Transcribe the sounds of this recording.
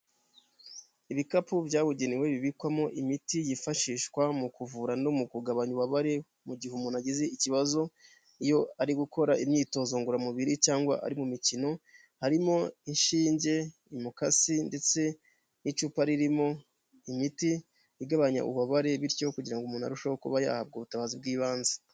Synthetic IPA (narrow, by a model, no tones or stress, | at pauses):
iβikapubjaːβuɟeniwe̞βiβikwamo̞ʔimitijifaʃiːʃkwamukuvuːɾano̞mukuɡaβaɲuβaβaɾe̞ | muɟihumunaɟizeiciβazo̞ | ijo̞aɾiɡuko̞ɾaimɲiːto̞ːzoːŋɡuɾamuβiɾit͡ʃaːŋɡwa̰ʔa̰ɾimumicino̞ | haɾimo̞inʃiːɲɟe̞ | imukasinde̞t͡se̞ | nit͡ʃuːpaɾiɾimo̞ | imiti | jiɡaβaɲa̰ʔṵβaβaɾe̞βiɾco̞kuɟiɾaŋɡomuːna̰ɾuʃahokṵβaja̰hab̚ɡoːβutaβazib̚ɡiːβaːnze̥